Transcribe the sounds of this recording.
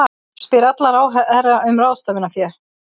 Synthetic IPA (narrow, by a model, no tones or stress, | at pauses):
spɪɾat̪laɾaːwɦɛɛɾaʔʏmraːwst̪œːvɪnafjɛ̥